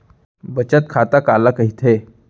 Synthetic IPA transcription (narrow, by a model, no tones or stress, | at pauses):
bət͡ɕət̪̚kʰat̪akalakəɦit̪ʰe